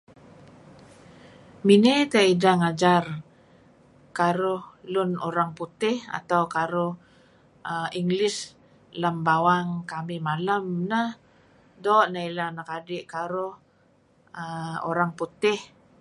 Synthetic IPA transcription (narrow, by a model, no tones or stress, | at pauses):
minet̪aidaŋad͡ʒar | kaɾʊhlʊnoɾaŋput̪ɪha̰t̪awkaɾʊh | əiŋɡlɪs | lambawaŋkamɪmaləmnəh | doːʔnailanakadɪʔkaɾʊh | əo̰ɾaŋput̪ɪh